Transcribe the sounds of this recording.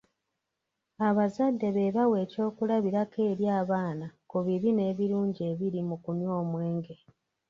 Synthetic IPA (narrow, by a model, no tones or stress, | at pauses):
aβazadːe̞βe̞βawe̞ːco̞ːkulaβiɾake̞ːɾjaːβaːnakuβiβine̞ːβiɾuːɲɟie̞βiɾimukumjo̞ːmwe̞ːŋɡe̞